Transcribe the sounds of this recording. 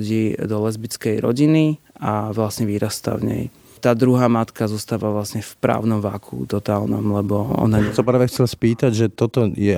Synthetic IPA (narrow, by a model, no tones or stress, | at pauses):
ɟiːd̪ɔlɛzbit͡skɛjɾɔ̰ɟini | aʋlasɲɛʋiːɾast̪a̰vɲɛ̰j | t̪aːd̪ɾuɦaːmat̪kazɔst̪aːʋaʋlasɲɛfpɾa̰ːʊnɔmʋakʰṵt̪ɔt̪aːlnɔmlɛbɔɔ̰naɲɛsapaːʋɛxt͡sɛlspiːt̪aɟʒɛt̪ɔt̪ɔjɛ